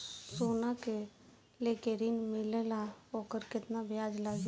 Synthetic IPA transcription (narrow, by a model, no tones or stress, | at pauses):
soːnake | leːkeɾinmɪlelaoːkəɾkɪt̪nabjaːd͡ʒlaːɡ